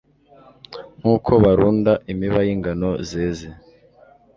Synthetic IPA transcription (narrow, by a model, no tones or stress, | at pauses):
ŋ̥uːkʰo̞βaɾuːndaʔimiβajiŋɡano̞zeːze